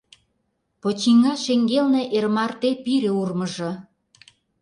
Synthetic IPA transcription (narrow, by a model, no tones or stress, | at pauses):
pot͡ɕiŋɑʃeŋɡelneʔermɑrt̪epiɾĕurməʒɤ̆